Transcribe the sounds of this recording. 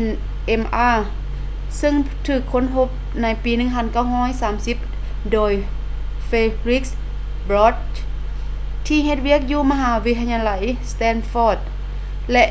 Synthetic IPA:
n | ʔe˧˩mʔaː˧˩ | sɯ˧ŋ | t̪ʰɯː˨˩kʰːo˧˥˨nɦo˧˥p̚ | na˧˥jpiː˨˦nɯ˧˨ŋpʰa˧˥˨nka˧˩wɦɔː˧˥˩jsaː˨˦msi˧˥p̚ | doː˧˩j | feː˧li˦˥k̚s | bɾɔː˧˥t̪̚ | t̪ʰːiː˧ɦe˧t̪̚wi˧˩˨ək̚juː˧ma˧ɦaː˩˦wi˧˥t̪ʰːa˧ɲaː˧la˨˦jst̪ɛː˧˥nfɔː˧˥˩t̪̚ | lɛ˧ʔ

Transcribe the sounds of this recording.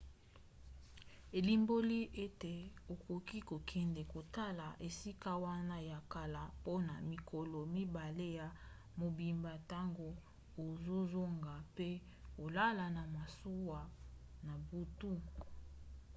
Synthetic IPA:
e˨li˨mbo˦li˦ʔe˦te˨o˨ko˨ki˦ko˨kʰɛ˨ndɛ˨ko˨ta˦la˨ʔe˨si˦ka˦wa˦na˦ja˨ka˨la˨po˦na̰˨mi˨ko˨lo˨mi˦ba˨le˦ja˨ | mo˨bi˨mba˨ta˦ŋɡo˨ | o˨zo˦zo˦ŋɡa˨pe˦ | ko˨la˦la˨na˨ma˨so˦wa˨na˨bu˦tu˦

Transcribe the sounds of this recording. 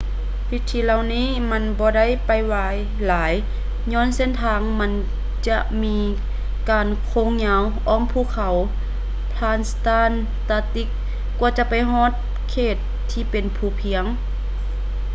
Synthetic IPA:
wi˧˥t̪ʰːiː˧la˧˨wniː˧˥˨ma˧˥˨nbɔː˧˦da˥˨jpa˨˩jwaː˧j | laː˨˦j | ɲɔː˧˥˨nse˧˥˨nt̪ʰaː˧ŋma˧˥˨n | t͡ɕa˧ʔmiː˧ | kaː˨nkʰoː˧˥˨ŋɲaː˧˥wʔɔː˧˥˨ŋpʰuː˧˨kʰa˨˦w | pʰlaː˧˨nst̪aː˧˥˨n | t̪aː˧˥t̪i˧˥kː | u˧t͡ɕa˧˦pa˨jɦɔː˧˥˨t̪̚ | kʰeː˧˩t̪ʰːiː˧pe˨npʰuː˧˩pʰi˧˦əŋ

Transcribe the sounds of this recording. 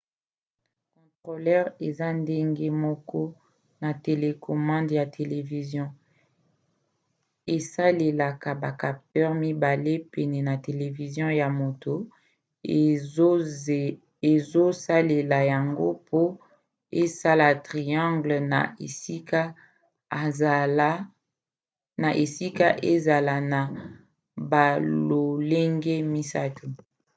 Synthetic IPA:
kɔ̃˨tʁo˨lɛ˦ʁe˨za˦nde˦ŋɡe˦mɔ˦kɔ˦ | na˨te˨le˨kʰɔ˨mɑ̃˦ndja˨tʰe˨le˨vi˨zjɔ̃˦ | e˨sa˦le˨la˨ka˨ba˨ka˨ptɛ˦ʁmi˦ba˨le˦pɛ˨nɛ˨na˨te˨le˨vi˨zjɔ̃˦ja˨mo˨to˨ | e˨zo˦sa˦le˨la˨ja˨ŋɡo˦pʰo˦ | e˦sa˦la˨tʁi˨jɑ̃˦ŋɡlna̰˨e˨si˦ka˦˨ | l | na˨ʔe˨si˦ka˦ʔe˦za˨la˨na˨ | ba˨lo˨le˦ŋɡe˦mi˦sa˦tu˨

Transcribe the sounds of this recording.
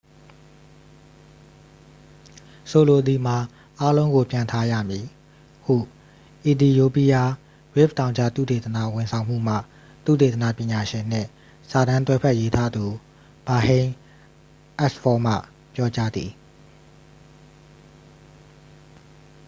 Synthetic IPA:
so˨lo˨d̪i˨m̥a˨ | ʔa˦lõ˦ʊ̃ŋɡo˨pjã˨ntʰa˦jä̰˦˨mji˨ | hṵ˦˨ | ʔi˨d̪i˨jo˨pi˦ja˦ | ɹɪ˦˨ptã˨ʊ̃ɲd͡ʑʰa̰˦˨t̪ṵ˦˨t̪e˨t̪əna̰˨wɪ̃˨sʰã˨ʊ̃m̥ṵ˦˨m̥a̰˦˨ | t̪ṵ˦˨t̪e˨t̪ə˨na̰˦˨pjɪ̃˨ɲa˨ʃɪ̃˨n̥ɪ̰̃˦˨ | sa˨ɾã˦nt̪wɛ˦pʰɛ˦ʔje˦tʰa˦d̪u˨ | b̥a˨hẽ˦ | ʔɛ˦spʰɔ˦mä̰˦˨ | pjɔ˦t͡ɕa˦d̪ði˨

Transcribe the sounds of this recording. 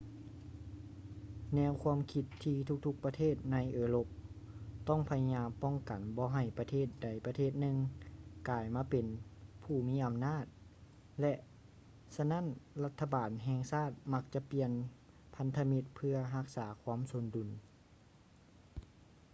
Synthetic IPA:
nɛː˧˥wkʰu˧˥əmkʰi˧t̪ʰːiː˧t̪ʰu˧k̚t̪ʰu˧˥k̚pa˧t̪ʰeː˥˩˨t̪̚na˧˥jʔɤː˧lo˧˥p̚ | t̪ɔ˥˩ŋpʰa˧ja˧ɲaː˧˥mpɔ˧˥˩ŋka˨˩nbɔː˧ɦa˧˩jpa˧t̪ʰeː˥˩t̪̚da˨˩jpa˧t̪ʰeː˥˩t̪̚nɯ˧ŋkaː˨˩jmaː˧˥pe˨npʰuː˧˩miː˧˥ʔa˨mnaː˥˩t̪̚ | lɛ˧ʔ | sa˧na˧˥˨nla˧t̪ʰːa˧baː˨˩nɦɛː˧ŋsaː˥˩t̪̚ma˧˥k̚t͡ɕa˧pi˧ən | pʰa˧nt̪ʰa˧mi˧t̪̚pʰɯ˧ɐɦa˧k̚saː˩˦kʰwa˧˥˨mso˧˦ndu˨˩n

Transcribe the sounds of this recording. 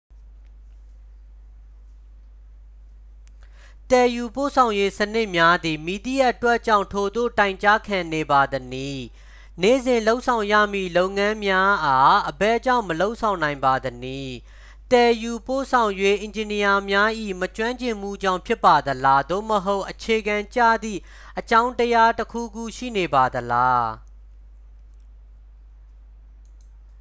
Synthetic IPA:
t̪ɛ˨ju˨po̰˦˨sʰã˨ʊ̃je˦sənɪ˦ʔmja˦d̪i˨mi˨d̪i˦˨a˦ʔətwɛ˦ʔt͡ɕã̰˦˨ʊ̃tʰo˨d̪o̰˦˨tã˨ɪ̃ɲt͡ɕa˦kʰã˨ne˨ba˨d̪əni˦˨ | nḛ˦˨zɪ̃˨nlo˦ʊʔsʰã˨ʊ̃ja̰˦˨mḭ˦˨lo˦ʊʔŋã˦mja˦ʔa˨ʔəbɛ˦˨t͡ɕã̰˦˨ʊ̃məlo˦ʊʔsʰã˨ʊ̃nã˨ɪ̃mba˨d̪əni˦˨ | t̪ɛ˨ju˨po˦˨sʰã˨ʊ̃jwe˦˨ʔɪ̃˨ɲd͡ʑɪ̃˨ni˨ja˨mja˦ʔḭ˦˨mət͡ɕwã˦ɲt͡ɕɪ̃˨m̥ṵ˦˨d͡ʑã̰˦˨ʊ̃mpʰjɪ˦pːa˨d̪əla˦d̪o̰˦˨məɦo˦ʊʔət͡ɕʰe˨ɡã˨ɲt͡ɕa̰˦˨d̪ḭ˦˨ | ʔət͡ɕã˦ʊ̃ntəja˦təkʰṵ˦˨ɡṵ˦˨ʃḭ˦˨ne˨ba˨d̪əla˦

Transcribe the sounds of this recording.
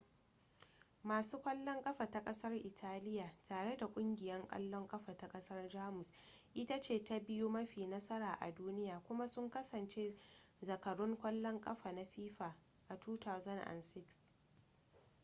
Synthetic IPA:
maː˨suː˦kʷɐ˦lːɔ˦ŋkʼɐ˦ɸaː˨ta˦kʼɐ˦sɐ˦rʔɪ˨tʰaː˦lɪ˦jaː˨tʰaː˨ɽe˦da˨kʷʼʊ˦ŋɡʲɪ˨jɐ˦ŋkʼɐ̰˦lːɔ˦ŋkʼɐ˦ɸaː˨ta˦kʼɐ˦sɐ˦rd͡ʒaː˦mʊ˨s | ʔɪ˦ta˦t͡ʃeː˦˨ta˦bɪ˦ju˦mɐ˦ɸiː˨nɐ˦sɐ˦ɾaː˨ʔa̰˨duː˦nɪ˦jaː˨kʷʊ˦ma˦sʊ˦ŋkɐ˦sɐ˨nt͡ʃe˦ | zɐ˨kɐ˨ɽʊ˦ŋkʷɐ˦lːɔ˦ŋkʼɐ˦ɸaː˨na˦ɸiː˦ɸaː˨ | ʔa˨tuː˦ta˨zɐ˦nʔa̰˨nsɪ˦ks

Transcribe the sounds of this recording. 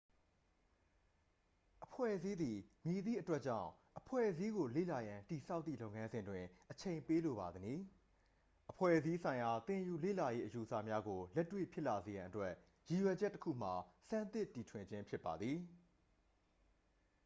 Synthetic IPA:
ʔəpʰwɛ̰˦˨zi˦d̪i˨mji˨d̪ðḭ˦˨ʔətwɛ˦ʔ̚t͡ɕã̰˦˨ʊ̃ʔəpʰwɛ̰˦˨ʔəzi˦ɡo˨lḛ˦˨la˨jã˨nti˨sʰa˦ʊt̪ːi˦˨lo˦ʊŋã˦nzɪ̃˨ndwɪ̃˨ʔət͡ɕʰẽ˨ɪ̃mpe˦lo˨ba˨d̪əni˨ | ʔəpʰwɛ̰˦˨ʔəzi˦sʰã˨ɪ̃ja˨t̪ɪ̃˨ju˨lḛ˦˨la˨je˦ʔəju˨əsa̰˦˨mja˦ɡo˨lɛ˦tːwḛ˦˨pʰjɪ˦ʔla˨ze˨jã̰˨ʔətwɛ˦ʔ | ji˨jwɛ˨d͡ʑɛ˦tːəkʰṵ˦˨m̥a˨sã˦˨nt̪ɪ˦ʔtːi˨tʰwɪ̃˨ɲd͡ʑɪ̃˦mpʰjɪ˦pːa˨d̪ði˨

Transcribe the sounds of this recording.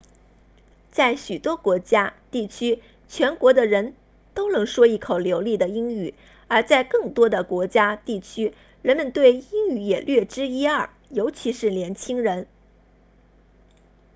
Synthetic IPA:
t͡sa˥˩ɪɕy˨˩t̪wɔ˥kwɔ˧˥t͡ɕja˥t̪i˥˩t͡ɕʰy˥ | t͡ɕʰɥɛ˧˥nkwɔ˧˥d̪ə˨ɻə˧˥n | t̪o˥ʊnɤ˧˥ŋʂwɔ˥i˥˩kʰo˨˩ʊljo˧˥ʊli˥˩d̪ə˩i˥ŋy˨˩˦ | ə˞˧˥t͡sa˥˧ɪkɤ˥˩ŋt̪wɔ˥d̪ə˨kwɔ˧˥t͡ɕja˥t̪i˥˩t͡ɕʰy˥ | ɻə˧˥nmə˧nt̪we˥˩ɪi˥ŋy˧˩jɛ˨˩ljɥɛ˥˩ʈ͡ʂɻ̩˥i˥ɐ˥˩ | jo˧˥ʊt͡ɕʰi˧˥ʂɻ̩˥˩ljɛ˧˥nt͡ɕʰi˥ŋɻə˧˥n

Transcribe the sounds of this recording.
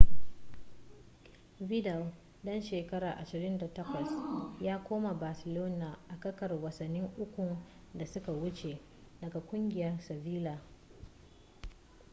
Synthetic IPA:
vɪ˦da˨w | dɐ˦nʃeː˨kɐ˦ɾaː˨ʔa˨ʃɪ˨ɾɪ˦nda˨tɐ˦kʷɐ˨sjaː˦kʷoː˦ma˨baː˨sɪ˨loː˦naː˨ʔa˨kɐ˦kɐ˨rwɐ˨sɐ˨nːɪ˦ŋʔʊ˦kʷu˨ | da˨sʊ˦ka˨wʊ˦t͡ʃe˨ | dɐ˨ɡa˨kʷʊ˦ŋɡʲɪ˨jɐ˦rsɐ˨viː˦laː˨

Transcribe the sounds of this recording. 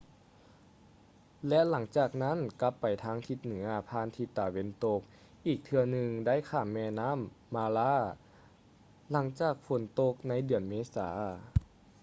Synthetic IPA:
lɛ˧˥la˩˦ŋt͡ɕaː˨˩k̚na˦˥˨nka˧˥pːa˨˩jt̪ʰaː˧˥ŋt̪ʰi˧˥t̪̚nɯ˩˦ɐpʰaː˧˥˨nt̪ʰi˧˩t̪ːaː˨˧˩we˧˥˨nt̪o˧k̚ | ʔiː˨˩k̚t̪ʰɯ˧ɐnɯ˧ŋda˥˨jkʰaː˧˩mːɛː˧naː˧˥˨mːaː˧laː˧˥˩ | la˩˦ŋt͡ɕaː˨˩k̚fo˨˩˦nt̪o˧k̚na˧˥˨jdɯ˨˩ənmeː˧˥sa̰ː˩˦

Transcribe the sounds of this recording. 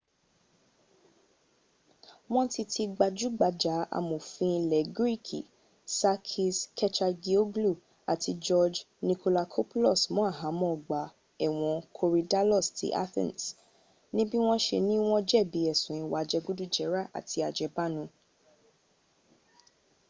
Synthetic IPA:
w̃ɔ̃˦ti˧tʰi˧ɡ͡ba˧d͡ʒu˨˦ɡ͡ba˧d͡ʒa˨˦a̰˧˨mo˨fĩ˧lɛ˨ɡɾi˦kʰḭ˨ | sa˧kʰi˧skʰɛ˦t͡ʃa˧ɡi˧o˦ɡlu˦˨ | a˨tʰi˧d͡ʒɔ˧d͡ʒ | nĩ˧ko˧la˧kʰo˦pu˦lɔ˦˨smɔ̃˨˦a˦˨ɦã˨˦mɔ̃˦ɔ˨ɡ͡ba˨ | ɛ˦˨w̃ɔ̃˨˧kʰo˧ɾi˧da˦lɔ˦˨stḭ˦ʔa̰˦θḭ̃˦˨ns | nĩ˦bi˦w̃ɔ̃˦ʃe˧nĩ˦w̃ɔ̃˦d͡ʒɛ˦˨bi˨˦ɛ˦˨sũ˨ĩ˧˦wa˨˦d͡ʒɛ˧ɡu˦du˦d͡ʒɛ˨˦ɾa˦˨ʔa̰˨ti˧˦a˨d͡ʒɛ˨˦ba˦˨nũ˧˦

